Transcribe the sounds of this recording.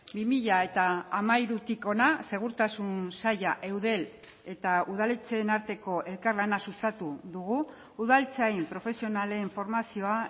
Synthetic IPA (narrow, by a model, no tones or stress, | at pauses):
bimiʎae̞t̪aːmajɾut̪iko̞nase̞ɣ̞uɾt̪asunsajaʔe̞wðe̞l | e̞t̪auð̞alet͡se̞naɾt̪e̞ko̞ʔe̞lkarlanasust̪at̪uðuɣu | uðalt͡sajmpɾo̞fe̞sio̞nale̞ɱfo̞ɾmasio̞a